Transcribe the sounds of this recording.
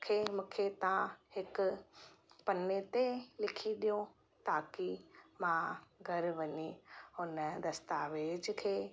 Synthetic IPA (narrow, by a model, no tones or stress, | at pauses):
kʰeːmũːkʰet̪ɐãɦɪkʊ | pɐnet̪elɪkʰiɗijõ | t̪aːkimãɡʱɐɾʋɐɲihʊnəd̪ɐst̪aːʋeːd͡ʑkʰeː